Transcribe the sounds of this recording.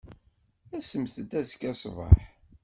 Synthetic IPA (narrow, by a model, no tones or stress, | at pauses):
æsəmθəd̪æzəkæsˤvɑ̰ħ